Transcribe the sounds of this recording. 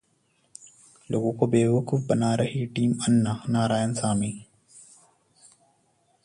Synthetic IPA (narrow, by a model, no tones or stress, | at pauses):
lʔoːɡõkobeːʋəkufbɐnaːɾɐɦiʈiːmɐnːanaːɾaːjənsaːmi